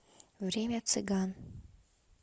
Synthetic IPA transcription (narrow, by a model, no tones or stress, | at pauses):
vɾʲemʲat̪sɨɡan